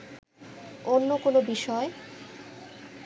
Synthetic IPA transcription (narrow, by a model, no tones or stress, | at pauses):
onːokonobiʃɔe